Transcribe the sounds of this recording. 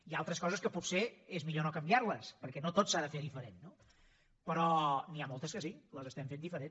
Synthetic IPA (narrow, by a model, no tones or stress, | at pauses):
ialˠt̪ɾəskɔzəskəputseezmiʎonokəmbiaɾləspəɾkɛnot̪otsaðəfeðifəɾenːo | pəɾɔniamolˠt̪əskəsiləzəst̪ɛmfend̪ifəɾen